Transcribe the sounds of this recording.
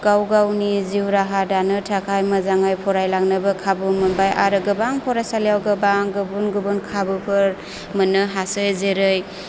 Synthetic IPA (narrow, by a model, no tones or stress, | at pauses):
ɡ̥awɡawniziwɾaɦadanɯtʰakʰajmazaŋajpʰɔɾajlaŋnɯbɯkʰabumɯnbajʔaɾɯɡɯbaŋpʰɔɾajsalijawɡɯbaŋɡɯbunɡɯbunkʰabɯpʰɯɾ | mɯnɯɦasɯjzeɾɯj